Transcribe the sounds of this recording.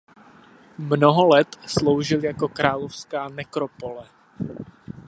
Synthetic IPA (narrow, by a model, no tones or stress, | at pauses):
mnoɦolɛt̪slowʒɪljako̞kɾaːlofskaːnɛkɾopolɛ